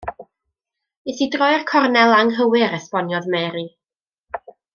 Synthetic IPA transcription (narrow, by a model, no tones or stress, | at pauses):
esidrɔjrkʰɔrnɛlˠaŋɦəwɪɾɛspɔnjɔðmɛɾi